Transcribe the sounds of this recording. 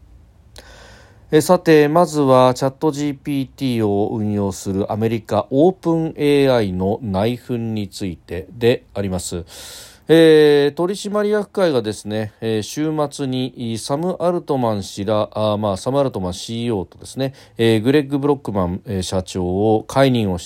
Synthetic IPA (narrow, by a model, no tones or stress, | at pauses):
esat̪e̞mazɨβat͡ɕat̪ːo̞ʑiːpʲiːt̪ʲiːo̞ɯ̟̃ɰ̃jo̞ːsɨɾɯ̟ʔame̞ɾʲikaʔo̞ːpɯ̟̃ɴe̞ːaino̞naiɸɯ̟̃ɲ̟ːit͡sɨit̪e̞d̪e̞aɾʲimasɨ | et̪o̞ɾʲiɕimaɾʲijakɯ̟̥kaiɡad̪e̞sɨne̞ɕɨːmat͡sɨɲ̟isamɯ̟ʔaɾɯ̟t̪o̞mãɰ̃ɕiɾamaːsamɯaɾɯ̟t̪o̞mãɰ̃ɕiːo̞ːt̪o̞d̪e̞sɨne̞ | ɡɯ̟ɾe̞ɡːɯ̟bɯ̟ɾo̞kːɯ̟mãɴeɕat͡ɕo̞ːkʰaiɲʲĩɰ̃o̞ɕ